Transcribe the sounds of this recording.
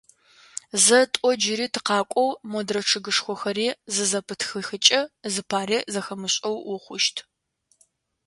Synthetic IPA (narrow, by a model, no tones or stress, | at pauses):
zɐtʷʼɔd͡ʒɪriːtʰɨqɑːkʷʼɔwmɔdrɐʈ͡ʂʰɨɡɨʂxʷɔxɐɾiːzɨzɐpʰɨtʰxɨxɨt͡ʃʼɐzɨpʰaːriːzɐxɐmɨɕʼɐwwʊχʷʊʃtʰ